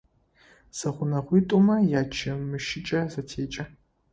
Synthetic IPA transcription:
z̥ɐχʷʊnɐχʷiːtʼumɐjaːt͡ʃʰɐmɨʃɪt͡ʃʼɐzɐtʰeːt͡ʃʼɐ

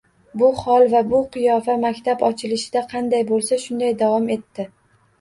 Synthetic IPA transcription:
bʊχɒlˠvabʊqʰɨjɒfamakʲt̪ʰabɒt͡ʃʰɪlɪʃɪd̪aqʰɑnd̪ajbolˠsaʃʊnd̪ajd̪avɒme̞t̪ːɪ

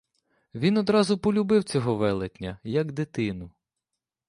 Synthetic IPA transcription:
ʋʲinɔd̪ɾɑzʊpɔlʲʊbɪwt͡sʲɔɦɔʋɛlˠet̪ʲnʲːɐjɐɡd̪ɪt̪ɪnʊ

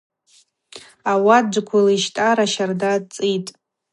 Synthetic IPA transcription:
awad͡ʒʷkʷʰʊliʃtʼaɾaʃardat͡sʼitʼ

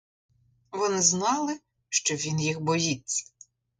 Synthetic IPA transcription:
ʋɔnɪznɑlˠɪ | ʃt͡ʃɔʋʲinjixbɔjit͡sʲːɐ̥

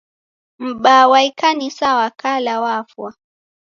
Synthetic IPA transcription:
m̩ɓawaikanisawakalawafwa

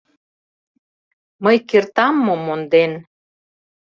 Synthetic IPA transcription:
məjkert̪ɑmːomond̪en

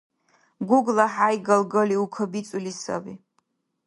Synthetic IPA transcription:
ɡuɡlaħajɡalɡəliukʰabit͡sʼulisa̰bi

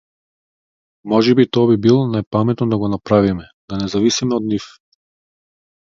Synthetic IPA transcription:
mɔʒɛbit̪ɔabibilˠɔnajpamɛt̪nɔd̪aɡɔnapɾavimɛ | d̪anɛzavisimɛɔd̪nif

